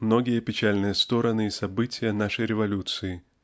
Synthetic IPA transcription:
mnoɡʲɪjəpʲɪt͡ɕælʲnɨjəst̪o̞ɾənɨisɐbɨtʲɪjənaʂəjɾʲɪvɐlʲut̪sɨɪ

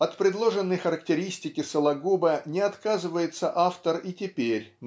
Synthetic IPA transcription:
ɐt̪pɾʲɪd̪lˠo̞ʐɨnːəjxəɾəktʲɪɾʲisʲtʲɪkʲɪsəlˠɐɡubənʲɪɐt̪kazɨvəjɪt̪səʔaft̪əritʲɪpʲeɾʲ

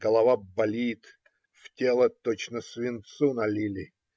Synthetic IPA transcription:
ɡ̥əlˠɐvabɐlʲit̪ | ftʲelˠət̪ot͡ɕnəsvʲɪnt̪sunɐlʲilʲɪ

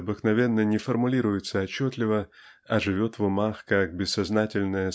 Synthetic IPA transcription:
ɐbɨknɐvʲe̞nːənʲɪfərmʊlʲiɾʊjɪt̪səɐt͡ɕːot̪lʲɪvəɐʐɨvʲo̞t̪vʊmaxkak̚bʲɪsːɐznatʲɪlʲnəjə

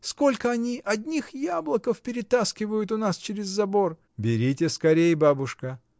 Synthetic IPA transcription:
sko̞lʲkəɐnʲiʔɐdʲnʲixjablˠəkəfpʲɪɾʲɪt̪askʲɪvəjʊt̪ʊnast͡ɕɪɾʲɪzːɐbo̞r | bʲɪɾʲitʲɪskɐɾʲejbabʊʂkə

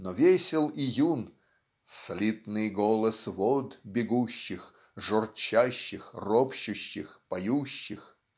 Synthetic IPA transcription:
novʲesʲɪlˠijun | sɐlʲit̪nɨjɡolˠəsvod̪bʲɪɡuɕːɪx | ʐɔrt͡ɕaɕːɪxropɕʊɕːɪxpɐjuɕːɪx

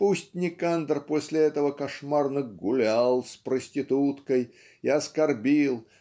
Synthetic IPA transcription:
pusʲtʲnʲɪkand̪ərposʲlʲɪɛt̪əvəkɐʂmarnɨɡʊlʲalˠspɾəsʲtʲɪt̪ut̪kəj | ɪɐskɐrbʲilˠ

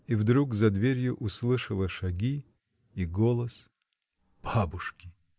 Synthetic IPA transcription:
ivd̪ɾukzɐd̪vʲeɾʲjʊʔʊslˠɨʂəlˠəʂɐɡʲi | iɡolˠəs | b̥abʊʂkʲɪ̥

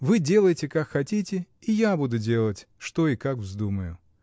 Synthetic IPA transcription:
vɨdʲe̞lˠəjɪtʲɪkakxɐtʲitʲɪ | ijabud̪ʊdʲe̞lˠətʲʂt̪o̞ikakvzd̪uməjʊ

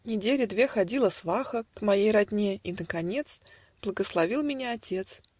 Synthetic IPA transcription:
nʲɪdʲelʲɪd̪vʲe̞xɐdʲilˠəsvaxəkmɐjejɾɐdʲnʲe̞inəkɐnʲe̞t̪s | b̥lˠəɡəslˠɐvʲilˠmʲɪnʲaɐtʲe̞t̪s

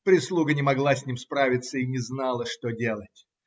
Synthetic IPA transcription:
pɾʲɪslˠuɡənʲɪmɐɡlˠasʲnʲimspɾavʲɪt̪səinʲɪznalˠəʂt̪odʲe̞lˠətʲ

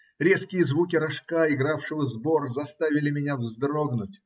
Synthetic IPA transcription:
ɾʲe̞skʲɪjəzvukʲɪɾɐʂkaɪɡɾafʂɨvəzborzɐst̪avʲɪlʲɪmʲɪnʲavzd̪ɾoɡnʊtʲ

